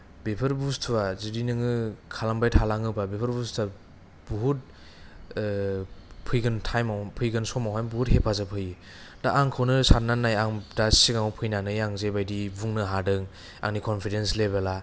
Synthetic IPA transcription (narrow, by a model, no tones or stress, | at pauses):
bepʰɯɾbustʰuwazidinɯŋɯkʰalambajtʰalaŋɯbabepʰɯɾbustʰa | buɦut̚ | pʰɯjɡɯntʰajmawpʰɯjɡɯnsɔmawɦajnbuhut̚hepʰazapʰɯjɯ | daʔaŋkʰɯwnɯsat̚nanːajaŋdasiɡaŋɔwpʰɯjnanɯjaŋzebajdibuŋnɯɦadɯŋ | a̰ŋnikʰɔnpʰidenslebela